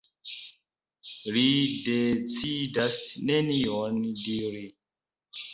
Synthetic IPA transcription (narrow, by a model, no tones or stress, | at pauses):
lidet͡sidasneniondiɾi